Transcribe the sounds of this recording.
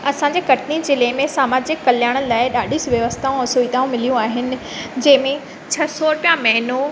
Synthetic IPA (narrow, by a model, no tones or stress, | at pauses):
ɐsãɲd͡ʑeːkɐʈʰnid͡ʑeːlɐːɪmẽsaːmaːd͡ʑekɐljaːɽ̃əlaːɪɗaːɗʱɪsʋjɐʋəst̪ʰaːũɛ̃suit̪aːũmɪlijũaːɦɪnɪ̆ | d͡ʑɐ̃ɦɪ̃mẽ | t͡ɕʰɐsɔːɾpijãmɐɦɪno